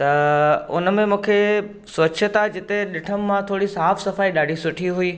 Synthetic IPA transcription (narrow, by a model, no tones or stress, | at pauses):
t̪ɐʊ̰nmẽmũːkʰe | sʋɐtʃʰət̪ad͡ʑɪt̪eɗɪʈʰəmːãt̪ʰoːɽisaːfsɐfaːiɗaːɖʱisʊʈʰiɦʊiː